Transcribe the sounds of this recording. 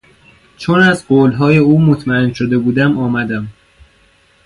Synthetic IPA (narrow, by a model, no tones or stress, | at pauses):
t͡ʃʰonæzɢoːlɦɒːje̞uːmot̪ʰmæenʃod̪e̞buːd̪æmɒːmæd̪æm